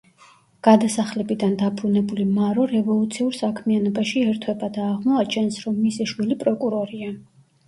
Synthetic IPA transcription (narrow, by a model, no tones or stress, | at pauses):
ɡ̥ad̪asaχlɛbid̪and̪abʰɾunɛbulimaɾɔɾɛvɔlˠut̪sʰiuɾsakʰmianɔbaʃiɛɾt̪ʰwɛbad̪aːʁmɔat͡ʃʰɛnsɾɔmːisiʃwilipʼɾɔkʼuɾɔɾia